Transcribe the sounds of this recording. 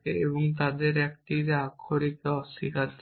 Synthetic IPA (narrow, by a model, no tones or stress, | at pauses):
keebɔŋt̪ad̪eɾɛk̚ʈiɾeakʰːoɾikeɔsikʰat̪